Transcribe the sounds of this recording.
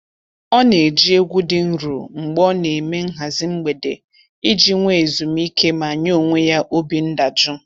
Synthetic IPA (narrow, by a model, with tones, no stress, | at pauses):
ɔ˦ne˨e˨d͡ʒi˦e˦ɡʷu˦dɪ˨n̩˦ɾṵ˨ŋ͡m̩˨ɡ͡bɔ˦ne˨me˦ŋ̩˦ɦa˨zɪ˦ŋ͡m̩˦ɡ͡be˨de˨ | i˦d͡ʒi˦ŋʷe˦˨zu˨mi˦ke˦ma˨ɲ˦o˦o˨ŋʷe˦ja˦ʔo˦bi˨n̩˦da˨d͡ʒʊ˦